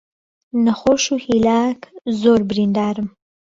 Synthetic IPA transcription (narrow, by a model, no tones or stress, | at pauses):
naxoʃuhilɑkzoɾbɾind̪ɑːɾəm